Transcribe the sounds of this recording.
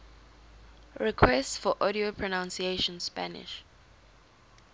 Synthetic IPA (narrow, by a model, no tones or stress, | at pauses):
ɹɛkʰwɛstsfɔʔɔɾiopʰɹɔnãnsieʃɔ̃nspa̰nɪ̰ʃ